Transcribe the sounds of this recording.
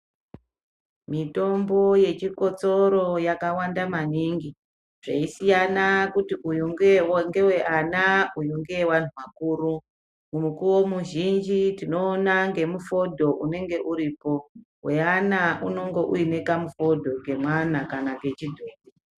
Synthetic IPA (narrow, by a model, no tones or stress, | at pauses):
mito̞mbo̞je̞t͡ʃiko̞t͡so̞ɾo̞jakawandamaniŋɡi | ʐ̥eisijanakutiʔujuŋɡeŋɡe̞we̞ʔanaujuŋɡewan̤uwakuːɾu | mumukuwo̞muʒind͡ʒitino̞ːnaŋɡe̞mufo̞dʱo̞ʔune̞ŋɡe̞ʔuɾiːpo̞ | we̞anaʔuno̞ŋɡo̞ʔuine̞kamufo̞dʱo̞ŋɡe̞mwanakanaŋɡe̞t͡ʃidʱoːbi